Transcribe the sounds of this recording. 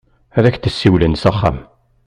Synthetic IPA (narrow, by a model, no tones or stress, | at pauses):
æðæçθəsːiwlənsæχːæ̰m